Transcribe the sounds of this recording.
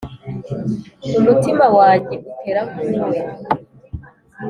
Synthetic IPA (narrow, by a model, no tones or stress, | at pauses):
umutimawaːɟeʔutʰeɾakuwe